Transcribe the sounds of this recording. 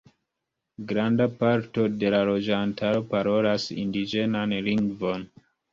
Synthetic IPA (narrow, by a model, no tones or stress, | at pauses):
ɡɾandapaɾto̞de̞lalo̞d͡ʒantʰaɾo̞paɾo̞lasḭndid͡ʒe̞nanliŋɡvo̞n